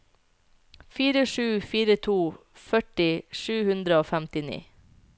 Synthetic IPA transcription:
fiːɾəʂʉːfiːɾət̪ʰuː | fœʈɪʃʉːhʉnd̪ɾəoːfæmt̪ɪnḭː

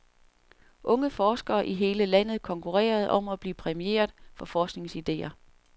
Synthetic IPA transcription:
ʔɔ̽ŋəfɒːsɡ̥ɐːʔiɦe̝ːləlæn̰ð̩ˠkʰɒ̽ŋkʰuʁɛ̰ːɐð̞ˠɒ̽m̰ɒb̥liːpʰʁɛmie̝̰ːɐfɒ̽fɒːsɡ̥ne̝ŋsid̥e̝̰ːɐ

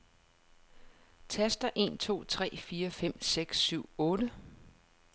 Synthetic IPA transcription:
t͡sʰæsd̥ɐʔe̝̰ːnt͡sʰo̝̰ːt͡sʰʁɛ̰ːfiːɐfem̰seɡ̥syʊ̰ɔ̽ːɾ̥ə

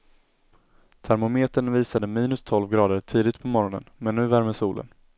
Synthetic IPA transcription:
t̪ʰæɾmʊmeːt̪əɳviːsad̪əmiːnɵst̪ʰɔlvɡɾɑːd̪əɾʈʰiːd̪ɪt̪pʰɔmɔɾɔnə̰nmɛnːʉ̟ːvæɾməsuːlʔə̰n

